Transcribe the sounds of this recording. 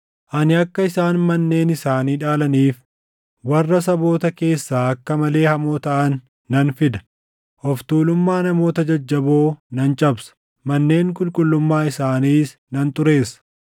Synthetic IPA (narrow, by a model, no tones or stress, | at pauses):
ʔɐnɪɐkːɐɪsaːnmɐnːe̞ːnɪsaːniːᶑaːlɐniːf | wɐrːɐs̬ɐbo̞ːt̪ɐke̞ːsːaːɐkːɐmɐle̞ːhɐmoːt̪ɐʔɐnː | ɐnfɪd̪ɐ̥ | ʔɔft̪uːlʊmːaːnɐmo̞ːt̪ɐd͡ʒɐd͡ʒːɐboːnɐnt͡ʃʼɐbsɐ̥ | mɐnːe̞ːŋkʼʊlkʼʊlːʊmːaːɪsaːniːs | nɐnt̪ʊɾe̞ːsɐ̥